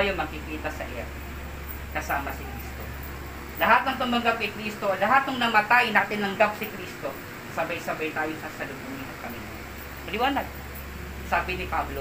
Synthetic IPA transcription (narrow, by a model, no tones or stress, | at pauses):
jomɐɡ̚kɪkiːt̪ɐsɐ̰ʔɪa | kɐsaːmɐsɪkɾiːst̪o | lɐɦat̪̚nɐŋt̪ʊmɐŋɡap̚kɐkɾist̪oɐlɐɦat̪̚nɐŋnɐmɐt̪ajnaːt̪ɪnɐŋɡap̚sɪkɾist̪o̞ | sɐbajsɐbajt̪aːjosɐsɐlʊɡuŋɪhɐkɐmḭ | pɐlɪwaːnaɡ̚ | saːbɪnɪpablo